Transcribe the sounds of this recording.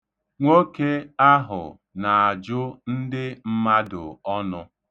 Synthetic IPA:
ŋʷo˦ke˦a˦ɦʊ̰˨ | na˨a˨d͡ʒʊ˦n̩˦dɪ˦m̩˦ma˦dʊ˨ɔ˦nʊ˦

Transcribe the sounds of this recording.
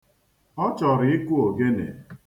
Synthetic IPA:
ɔ˦t͡ʃɔ˨ɾɪ˨ɪ˦ku˦o˨ɡe˦nḛ˨

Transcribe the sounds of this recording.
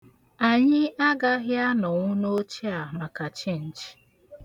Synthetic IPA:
a˨ɲɪ˦a˦ɡa˦ɣja˦nɔ˨ŋʷʊ˦no˦t͡ʃi˦a˨ma˨ka˨t͡ʃi˦n̩˨t͡ʃi̥˨

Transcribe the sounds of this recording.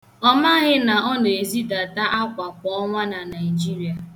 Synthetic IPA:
ɔ˦ma˦ɣɪ˦na˨ɔ˦n˨e˨e˨zi˦da˨ta˦ʔa˦kʷa˨kʷɔ˦ɔ˦ŋʷa˦na˨na˨ɪ˨d͡ʒi˦ɾi˨a˨

